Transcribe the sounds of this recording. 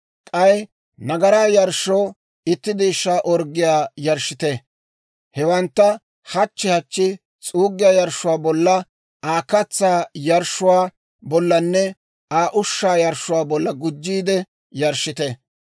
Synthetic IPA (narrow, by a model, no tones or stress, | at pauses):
kʼɐj | nɐɡɐɾaːjɐɾʃoː | ɪt̪ːɪd̪iːʃːaːʔɔɾɡɪjaːjɐɾʃːɪt̪ɛ | hɛwɐnt̪ːɐ | hɐt͡ʃːɪhɐt͡ʃːɪ | t͡sʼuːɡːɪjaːjɐɾʃːʊwaːbɔlːɐ | aːkɐt͡sːaːjɐɾʃʊwaː | bɔlːɐnːɛ | aːʔʊʃːaːjɐɾʃʊwaːbɔlːɐɡʊd͡ʒːiːd̪ɛ | jɐɾʃːɪt̪ɛ